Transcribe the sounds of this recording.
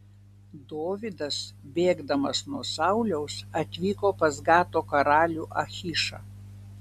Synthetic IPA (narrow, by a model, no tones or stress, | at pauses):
d̪oːʋʲɪd̪ɐsbʲeːɡd̪ɐmɐsnuɔsɑʊlʲɛʊsɐt̪ʲʋʲiːkoːpɐzɡɑːt̪oːkɐɾɑːlʲuːʔɐxʲiʃɑ̰